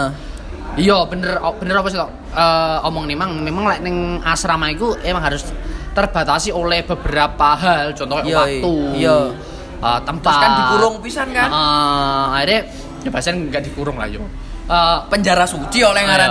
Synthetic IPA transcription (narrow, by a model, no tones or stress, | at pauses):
ijɔb̥ə̤nərɔb̥ə̤nəɾɔpɔs̬it̪ɔʔ | əɔmɔŋnemaŋmemaŋlaʔnɪŋasɾamaikuemaŋɦaɾʊst̪ərb̥a̤t̪asiolɛhb̥ə̤b̥əɾapaɦalt͡ʃɔnt̪ɔwat̪uj | ʔət̪əmpakandikuɾʊŋpisankaʔɔaiɾe | jab̥a̤sanŋɡaʔd̪̥i̤kuɾʊŋla̰jo | əpəɲd͡ʒaɾasut͡ʃiolɛŋaa